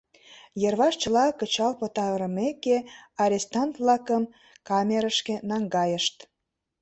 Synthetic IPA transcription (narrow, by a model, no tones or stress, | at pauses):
jərβɑʃt͡ɕə̆lɑkət͡ɕɑlpət̪ɑvɾəmekeɑɾʲest̪ɑnt̪vlɑkəm | kɑmʲeɾəʃkenɑŋɡɑjəʃt̪